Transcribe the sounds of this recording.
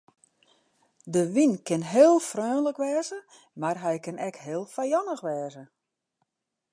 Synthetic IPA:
dəʋinkɪnɦeːlˠfrøːnləkʋɛːzə | marɦɛjkɪnɛkɦɪːlˠfajɔnəxʋɛːzə

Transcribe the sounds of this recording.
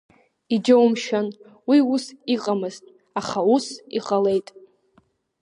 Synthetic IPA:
id͡ʒawmʃan | wiusiqʼamɨztʼ | aχausiqʼale̞jtʼ

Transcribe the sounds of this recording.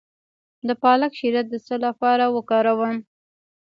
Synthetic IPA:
d̪əpɑlakʃiɾat̪̚d̪əsəlapɑɾawəkɑɾawəm

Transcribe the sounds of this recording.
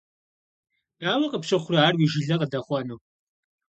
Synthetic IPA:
aːwɐqʼəpɕɨχʷʊrɐaːrwiːʒɪɮɐqʼədɐχʷɔnuː

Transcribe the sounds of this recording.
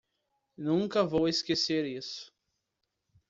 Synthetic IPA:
nũŋkɐvoweskeseɾisʊ̥

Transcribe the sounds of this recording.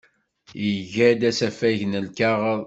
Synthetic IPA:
jəʝæd̪æsæfæʝnəlkæʁ

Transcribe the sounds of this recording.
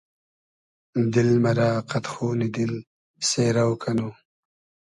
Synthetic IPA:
d̪ɪlmɐɾaːqɐt̪xuːnid̪ɪl | seːɾawkʰanu

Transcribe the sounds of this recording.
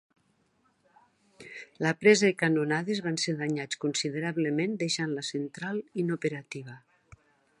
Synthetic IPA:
lapɾɛzaikanonaðezβanseɾðaɲat͡skunsiðeɾaβlemend̪eʃanlasent̪ɾalinopeɾat̪iβ̞a

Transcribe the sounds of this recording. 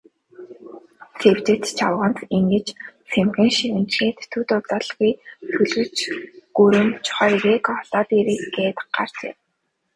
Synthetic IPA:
sʰew̥t͡ɕɘ̆t̪t͡ɕʰawʁə̆nt̪iŋɡɘ̆t͡ɕsemɣʲɘ̆ːŋʃiɘ̆nt͡ɕxeːt̪ːʰut̪ʊt̪ɔːɮɣijt̪ʰɵɮɣɘ̆t͡ɕɡ̥uɾɘ̆nt͡ɕʰχɔjɾeːkʰɔɮɔːt̪iːɾeːɡeːt̪ɢ̥a̰r̥t͡ɕḛ

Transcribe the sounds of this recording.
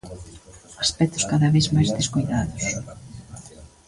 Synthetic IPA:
aspɛt̪ʊ̥skaðɐβezmajzðeskojðaðʊs

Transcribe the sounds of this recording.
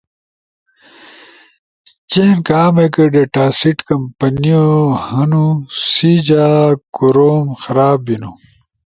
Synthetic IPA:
t͡ɕeːnkaːmekeɖeʈaːsiʈkɐmpɐniohɐnusid͡ʑakuɾoːmxɐɾaːbinu

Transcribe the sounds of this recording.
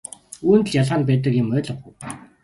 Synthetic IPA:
uːnt̪̆ɮjaɮʁaːnp̬æːt̪ə̆kjʊmœːɮə̆χŭw

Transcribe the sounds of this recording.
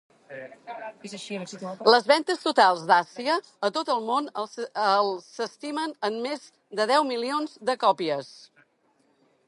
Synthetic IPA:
ləzβɛnt̪əst̪ut̪alˠzd̪asiəː | t̪ot̪əlˠmonəlˠsəst̪imənəmmez | d̪əðɛwmilionzd̪əkɔpiəs

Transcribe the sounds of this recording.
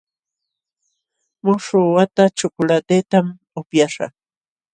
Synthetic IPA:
mʊʂʊwat̪at͡ʃʊkʊlat̪et̪am | ʊpjaʂɑ̰

